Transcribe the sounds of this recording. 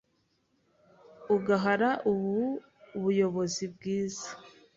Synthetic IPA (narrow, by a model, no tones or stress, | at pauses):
uɡaɦaɾaʔuβu | βujo̞βo̞zibɡiːzḁ